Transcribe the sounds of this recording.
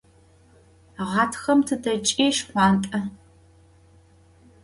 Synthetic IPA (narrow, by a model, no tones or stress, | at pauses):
ʁɑːtʰxɐmtʰɨdɐt͡ʃʼiːʃχʷɑːntʼɐ